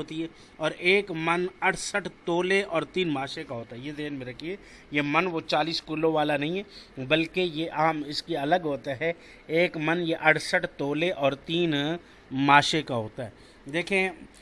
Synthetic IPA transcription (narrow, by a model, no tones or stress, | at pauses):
ɦoːt̪iɦɛ | ɔːɾeːkmɐnɐʈʰsəʈʰt̪oːleʔɔːɾt̪iːnmaːʃekaɦoːt̪aɦɛjed̪eːnmẽɾɐkʰie | jemɐnʋot͡ʃaːliːskulõʋaːlanɐɦĩɦɛbɐlkejeʔɐɦəmɪskiɐləɡɦoːt̪aɦɛ | eːkmɐnjeʔɐʈʰsəʈʰt̪oːleʔɔːɾt̪iːn | maːʃekaɦoːt̪aɦɛː | d̪eːkʰiẽ